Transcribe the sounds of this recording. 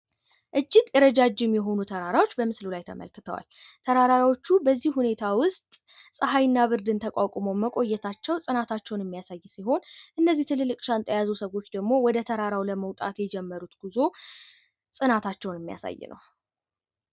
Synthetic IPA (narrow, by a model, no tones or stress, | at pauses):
ʔɨd͡ʒːɪɡjɛɾəd͡ʒad͡ʒɪmjɛɦo̞nut̪ʰəɾaɾawo̞t͡ʃːbəmɨslulajt̪ʰə̰mə̰lkɨt̪ʰəwa̰lt̪ʰəɾaɾaawo̞t͡ʃːubəzːihhune̞t̪ʰawʊst̪ʼ | sʼɨɦajɨnːaβɨɾd̪ɨnt̪ʰəkʼakʼmoməkʼo̞jːɛt̪ʰat͡ʃːɛwsʼɨnat̪ʰat͡ʃːɛwnɪmːijasajːsiɦo̞nʔɨnːəzːiht̪ʰɨlɨlːɨkʼʃant̪ʰʼəjazusəɣo̞t͡ʃːd̪əɡmo̞wɔd̪ət̪ʰəɾaɾawləməwt̪ʼa̰t̪jɛd͡ʒɛmːəɾut̪ɡ̥uzo̞ | sʼɨnat̪ʰat͡ʃːɛwnɨmːija̰sa̰jːɪ̰nʔə̰w